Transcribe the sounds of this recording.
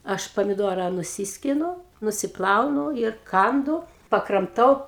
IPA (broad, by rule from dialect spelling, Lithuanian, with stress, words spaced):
ˈɐʃ pɐmʲɪˈduɔrɐ nʊˈsʲɪsʲkʲɪnʊ nʊsʲɪˈplˠɐʊnʊ ɪr ˈkɐndʊ pɐkrɐmˈtɐʊ